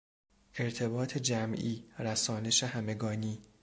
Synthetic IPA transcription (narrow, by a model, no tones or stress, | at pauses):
ʔe̞ɾt̪ʰe̞bɒːt̪ʰe̞d͡ʒæmʔiːɾæsɒːne̞ʃehæme̞ɡɒːniː